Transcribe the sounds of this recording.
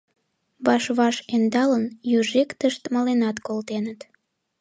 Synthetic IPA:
βɑʃβɑʃend̪ɑlənjyʒekt̪əʃt̪məlenɑt̪kolt̪enət̪

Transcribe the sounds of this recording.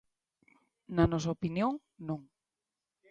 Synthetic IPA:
nanɔs̬aopinjõŋ | nõŋ

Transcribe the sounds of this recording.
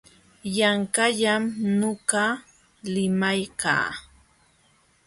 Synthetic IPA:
jaŋkaʎamnoɢɑ | lɪmajka̰ː

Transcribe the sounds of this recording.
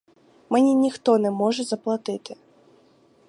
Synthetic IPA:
mɨnʲinʲixt̪ɔnɛmɔʐɛzɐplˠat̪ɨt̪ɪ

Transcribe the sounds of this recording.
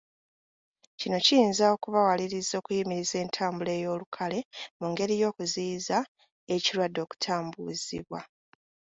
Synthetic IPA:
cino̞cijiːnzao̞kuβawaliɾizo̞ːkujimiɾize̞ːntʰaːmbule̞ːjo̞ːlukʰale̞muŋɡe̞ɾijo̞ːkuziːza | e̞ciɾwadːo̞ːku̥tʰaːmbṵzḭβwa

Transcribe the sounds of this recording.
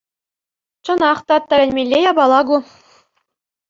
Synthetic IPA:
t͡ɕɤ̆nɑχt̪ɑt̪ːæ̆lʲɘ̆nʲmʲelʲːejɑbɑlˠɑɡu

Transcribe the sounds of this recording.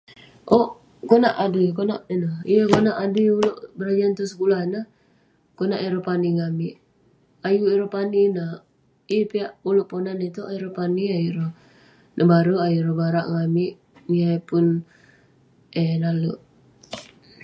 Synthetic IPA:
ʔoʔ | konaʔadəkonaʔnəhijəkonaʔadiuloʔbəɾad͡ʒant̪us̬əkulahnəh | konaʔeɾopaniŋamiʔ | ajuiɾopaninaʔ | ipiaʔuloʔponanit̪uʔaiɾopaniajuɾo | nʔabaɾuajuɾobaɾaʔŋamiʔ | ŋapʊn | enaluʔ

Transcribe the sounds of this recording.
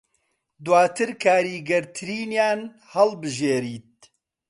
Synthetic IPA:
d̪waːt̪ʰɨɾkʰaːɾiːɡɐɾt̪ʰɨɾiːnjaːn | hɐlbɨʒeːɾiːt̪̚

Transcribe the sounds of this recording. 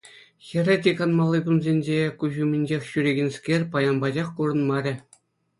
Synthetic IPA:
xʲĕrʲĕtʲikɑnmɑlˠːɯkunzʲenʲd͡ʑekuʑumʲenʲd͡ʑexʲɕyɾʲeɡʲɘ̆nʲskʲerʲpɑjɑnbɑd͡ʑɑχkuɾɤ̆nmɑɾʲɘ̆

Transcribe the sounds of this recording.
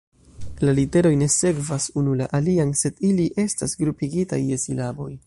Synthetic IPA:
lalite̞ɾo̞jne̞se̞kvasunulaʔalianse̞diliʔe̞stasɡɾupiɡitajːe̞silabo̞j

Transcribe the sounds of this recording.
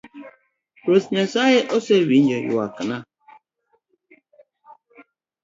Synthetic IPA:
ɾosɲasajeʔɔsewind͡ʒɔjṵwa̰kɨna

